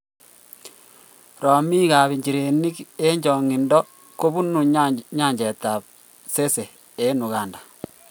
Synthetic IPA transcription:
ɾɔ˨mi˦ɣa˨βi˨ɲd͡ʒi˨ɾe˨ni˦ke˦ɲd͡ʒɔ˨ŋi˨ndɔ˦ | ko˦βu˦nu˨ɲa˦˨ɲd͡ʒe˨ta˨p̚ | se˦se˨ | e˦nu˨ɣa˨nda˨

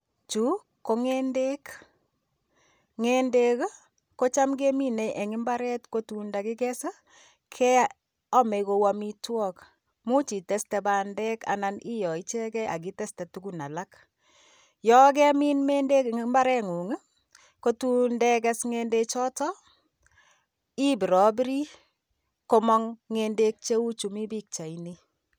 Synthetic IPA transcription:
t͡ʃu˦ | ko˦ŋe˦nde˦k | ŋe˦nde˦k | ko˦t͡ʃa˦mke˦mi˦ne˨ʔɛ˨ŋɪ˦mba˦ɾɛ˦tko˦tu˦nda˨kɪ˦kɛ˦sə˦ | kʰɛ˦ | ɔ˦mɛ˨ko˨wa˦mi˦twɔ˦k | mu˦t͡ʃi˨tɛ˦stɛ˨ba˨ndɛ˦ka̰˨nani˦jɔ˨i˦t͡ʃɛ˦kɛ˦ʔa̰˨k̬i˦tɛ˦stɛ˨tuku˦na˨la˦k | jɔ˦kɛ˦mi˦nme˦nde˦mba˦ɾɛ˦ŋu˨ŋɨ˦ | ko˦tu˦ndɛ˦kɛsŋende˦t͡ʃɔ˦tɔ˦ | i˦bi˨ɾɔ˨bɾi˦ | ko˦mɔ˦ŋːende˦k̚t͡ʃe˦u˦t͡ʃu˨mi˦bi˦k̚t͡ʃa˨ini˦

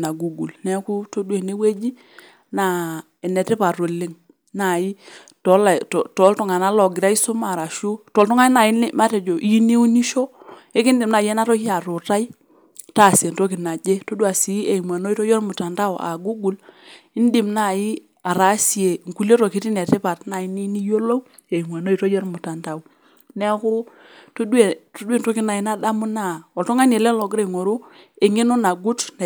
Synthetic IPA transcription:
na˨ɡu˨ɡu˨lnɛ˦ku˦to˦du˦e˨ne˦we˦d͡ʒi˦ | na˨ | e˨ne˨te˦pa˨ɾo˨lːi˦ŋ | na˨i˦ | tɔ˨˦la˨tɔ˨tɔ˨˦ltu˦ŋa˨na˦lɔ˨ɡɪ˨ɾa˦i˦su˦ma˨ɾa˨ʃu˦tɔ˨˦ltu˦ŋa˦na˨i˦n˦ma˦te˨d͡ʒo˨ʔi˦ni˦u˦ni˦ʃo˦e˦ki˦ndi˨mna˨je˦na˦ɾo˦hi˦a˨ɾo˨ta˦i˦ | ta˦˨si˨e˨nto˦ki˨na˨d͡ʒe˦to˦du˦a˨si˨˦e˨mwa˨no˦i˦to˦jɔ˦ɾmu˨ta˨nta˦wʔa̰˨ɡu˦ɡu˨li˦n˦di˨mna˦˨ji˦ | a˨ɾa˨˦si˨e˨ŋ̩˨ku˨le˦to˨ki˦ti˦n˨a˨te˦pa˨tna˨i˦ni˦ni˦jo˦lo˦ | e˨m˨a˨no˦i˨to˦jo˦ɾmu˨ta˨nta˨u˨ | nɛ˦ku˦ | to˦dwe˨to˦dwe˦˨nto˦ki˦na˨i˨˦na˦da˦mu˦na˦˨ɔ˨lto˦ŋa˦ne˨lɛ˦lo˨ɡɾe˦˨ŋo˨ɾu˦e˨ŋe˦no˦na˨ɡu˦tn˨

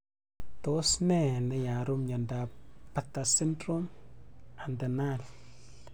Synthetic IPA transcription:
to˦sne˦na˨ja˨ɾu˦mɲa˨nda˨pa˦tːa˨si˦ndɾo˦m | a˨nda˨na˦l

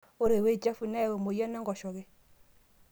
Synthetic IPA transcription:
o˦ɾe˨we˦˨d͡ʒa˦fu˨na˦˨we˨mo˨ja˦na˦ŋɡɔ˨ʃɔ˨ɣe˦

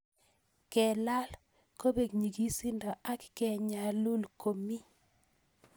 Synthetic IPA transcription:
kɛ˨la˦l | ko˦be˨ɡɲi˨ɡi˦si˦nda˨ʔa˦kkɛ˨ɲa˨lu˦lko˨mi˦

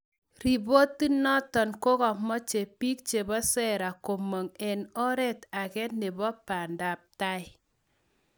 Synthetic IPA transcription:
ɾi˨bo˦ti˦nɔ˦tɔ˨nko˦kɔ˨mɔ˦t͡ʃe˨pi˦k̚t͡ʃe˨bɔ˦sɛ˦ɾa˨ko˨mo˨ŋɛ˨nɔ˦ɾɛ˦ta˨kɛ˦ne˨bɔ˦pa˨nda˨p̚ta˦ɪ˦

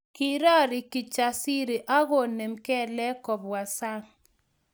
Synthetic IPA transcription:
ki˨ɾɔ˦˨ɾɪ˨ki˨t͡ʃa˨si˦ɾe˨ʔa˦ɣo˦˨ne˨mkɛ˦˨lɛ˦kɔ˨pwa˨sa˦ŋ

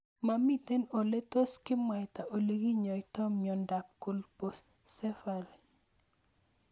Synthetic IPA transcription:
ma˨mi˦˨te˦nɔ˨le˦to˦skɪ˦mwa˨ta˨ʔo˨le˦ɡi˦ɲɔ˨ɪtɔ˦mɲɔ˨nda˨p̚ko˦lpo˦s | sɛ˦fa˨l

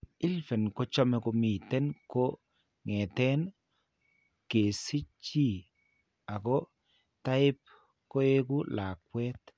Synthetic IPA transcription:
ɪ˦lfɛ˨nkɔ˦t͡ʃɔ˦mɛ˨ko˨mi˨t̪ɛ˦nko˦ | ŋɛ˨te˦n | ke˨si˦t͡ʃi˦ | a˨ko˦ | ta˦ɪ˦p̚ | ko˦e˦ku˦la˨kwɛ˦t̪

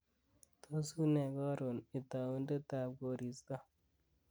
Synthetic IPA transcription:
to˦su˦ne˨ɡɔ˦ɾo˨ni˨ta˨wu˦n˦de˦ta˨ɡo˨ɾi˨sɡa˦

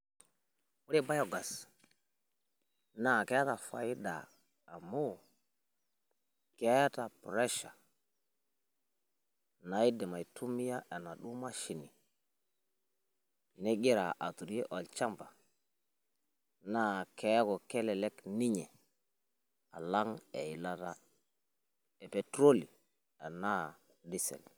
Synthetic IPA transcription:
wu˦ɾi˦ba˦jo˨ɡa˨s | na˨ke˦ta˨fa̰˨ji˦da̰ː˨ | mo˦˨ | ke˦ta˨pɾe˦ʃa̰˨ | na˨ji˦de˨ma˨jtʰu˦mi˦ja˦ʔe˨na˨ɗu˦ma˦ʃi˨ni˨ | ne˦ɡi˦ɾa˨ʔa˨tu˨ɾe˦ʔo˨lt͡ʃa˦mba˨ | na˦˨kʰe˨˦kɔ˨ke˦lɛ˨le˦kni˦ɲe˨ | a˨la˦ŋe˨ji˨la˦ta˦ | e˨pe˨tɾo˦li˨ | e˨na˦ | di˦sḛ˨l

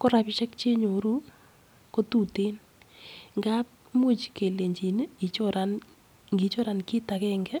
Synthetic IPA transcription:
kɔ˦ɾa˨pɪ˨t͡ʃɛ˦kt͡ʃe˦ɲo˨ɾu˦ | ko˦tu˦˨te˦n | ŋɡa˦ | mu˦t͡ʃke˨le˨ɲd͡ʒi˨n˦i˨t͡ʃo˦ɾan | ŋɡi˨t͡ʃo˦ɾa˨nkɪ˦ta˨kɛŋɡɛ˦

